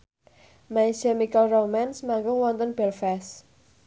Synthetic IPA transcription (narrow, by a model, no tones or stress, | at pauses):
majsəmikəlromansmaŋɡʊŋwɔnt̪ənb̥ɛlfɛs